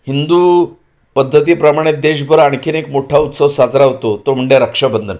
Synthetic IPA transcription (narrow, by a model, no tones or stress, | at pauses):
hind̪u | pəd̪ʱːət̪̬iːpɾəmaɽ̃et̪̚d̪eɕ̬bəɾaɳkiːnekmoʈʰaut̪səʋsad͡zɾaɦot̪ot̪om̤əɳɖeɾəkʂəbənd̪ʱən